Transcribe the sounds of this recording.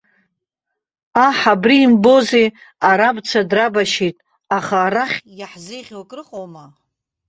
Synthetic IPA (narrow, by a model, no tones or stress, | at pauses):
aħabriːmbo̞zeaɾabt͡sʰadrabaʃitʼ | aχaːɾaχʲjaħzejʁʲwakʼrɨqʼowma